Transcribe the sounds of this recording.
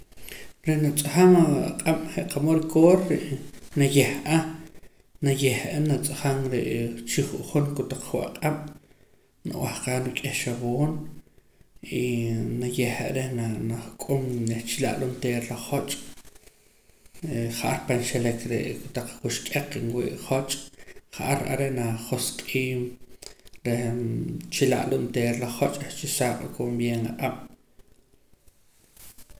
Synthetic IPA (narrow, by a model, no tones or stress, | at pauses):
ɾenat͡sʼaχamaaqʼam̥χeʔqʰamoɾikʰoːɾːeʔnajehʔa | najehʔanat͡sʼaχaŋɾeʔt͡ʃiχuʔχonkut̪aq͡χχuʔa̰qʼam̥ | naʔw̰ʔahqaːnukʼehʃawoːn | inajeha̰ʔɾehnanaχkʼomneht͡ʃilaʔlunt̪eːɾlaχot͡ʃʼ | χaʔaɾpanʃelekɾḛʔkut̪aq͡χχuʃkʼeq͡χinwḭːʔχot͡ʃʼχaʔaɾʔa̰ɾeʔnaχoskʼiːm | ɾe | t͡ʃila̰ʔʼlunt̪eːɾlaχot͡ʃʼet͡ʃisaːɓkʼombjenaʔʼam̥